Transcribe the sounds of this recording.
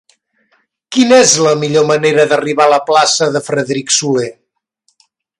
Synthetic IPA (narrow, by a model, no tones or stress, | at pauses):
kinezləmiʎoməneɾəðəriβaləplasəðəfɾəðɾiksule